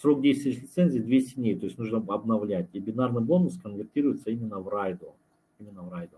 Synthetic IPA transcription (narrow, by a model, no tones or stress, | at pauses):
sɾo̞k̚dʲejst̪vʲɪɪtʲlʲɪt̪sɛnʲzʲɪːd̪vʲesʲtʲɪdʲnʲejt̪o̞ɪsʲnuʐnəɐbnɐvlʲætʲiɪbʲɪnarnɨjbo̞nʊskənvʲɪrtʲiɾʊjɪt̪səimʲɪnːəvrajd̪ʊ | imʲɪnːəvrajd̪ʊ